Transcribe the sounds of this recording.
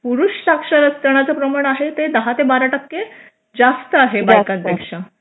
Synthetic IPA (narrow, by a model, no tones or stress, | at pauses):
puɾuʂsakʂaɾəst̪əɳ̃at͡səpɾəmaɽ̃aɦet̪ed̪əɦat̪ebaɾaʈəkːe | d͡zast̪əaɦebajkãnt̪ekʂa